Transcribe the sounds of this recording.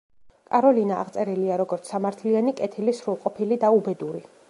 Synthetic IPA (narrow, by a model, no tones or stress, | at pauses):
kʼaɾɔlina̰ːʁt̪sʼɛɾiliaɾɔɡɔɾt̪sʰsamaɾt̪ʰlianikʼɛt̪ʰilisɾulˠqʼɔpʰilid̪aubɛd̪uɾi